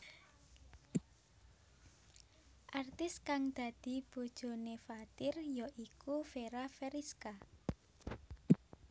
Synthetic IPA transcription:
ʔart̪ɪskaŋd̪̥ä̤d̪̥i̤b̥o̤d̥ʒ̥o̤nefat̪ɪrjɔʔikufeɾafeɾiska

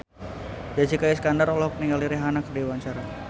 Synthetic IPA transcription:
d͡ʒad͡ʒikajaskandaɾɔlɔhkəniŋɡaliɾiɦanakdewaɲt͡ʃaɾa

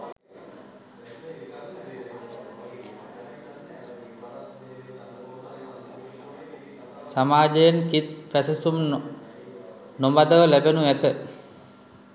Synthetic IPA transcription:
samaːd͡ʒəjenkit̪fæsəsum | nombad̪əʋəlæbenuæt̪ə

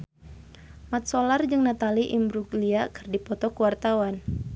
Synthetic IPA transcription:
mat̪̚solard͡ʒɨŋnat̪aliʔimbɾuɡliakɨrdipɔt̪ɔkuwart̪awan

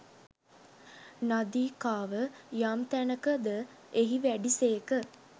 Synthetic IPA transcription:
nad̪iːkaːʋəjaːmt̪ænəkəd̪ə | eɦiʋæɖiseːkə

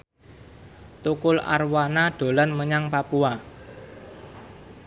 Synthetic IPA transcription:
t̪ukʊla̰rwanaɖ̥o̤lanməɲaŋpapua

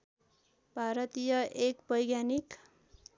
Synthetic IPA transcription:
bʱaɾʌt̪ijʌʔekbʱʌjɡjanik

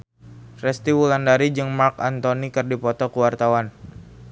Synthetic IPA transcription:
fɾɛst̪iwulandaɾid͡ʒɨŋmarkant̪onikɨrdipɔt̪ɔkuwart̪awan

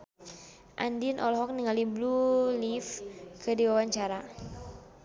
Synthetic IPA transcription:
ʔa̰ndinʔɔlɦɔk̚niŋaliblulifkədiwawaɲt͡ʃaɾa

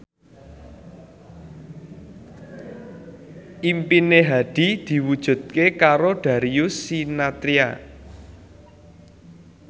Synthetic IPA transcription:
ʔimpineɦaɖ̪̥i̤d̪̥i̤wud̥ʒ̥ṳd̪̚kekaɾoɖ̪̥a̤ɾiusinat̪ɾia

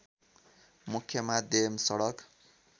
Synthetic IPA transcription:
mukʰːjʌmad̪ʱjʌmsʌɽʌk

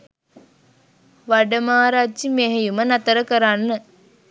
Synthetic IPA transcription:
ʋaɖəmaːɾad͡ʒd͡ʒimeɦejumənat̪əɾəkəɾanːə

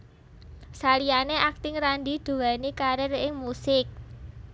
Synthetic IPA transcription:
salianeʔak̚t̪ɪŋɾandid̪̥ṳwanikaɾɪrɪŋmusɪk̚

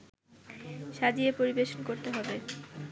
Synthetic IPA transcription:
ʃad͡ʑiepoɾibeʃonkoɾt̪eɦɔbe

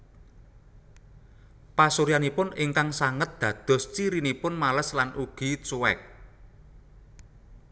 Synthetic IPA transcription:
pasuɾijanipʊnɪŋkaŋsaŋət̪̚d̪̥ä̤d̪̥ɔ̤st͡ʃiɾinipʊnmaləslanʔuɡ̥i̤t͡ʃuwɛ̰k̚

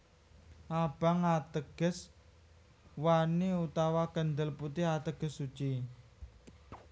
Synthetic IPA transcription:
ʔab̥aŋat̪əɡ̥ə̤s | waniut̪awakənd̪əlput̪ɪɦat̪əɡ̥ə̤sːut͡ʃi

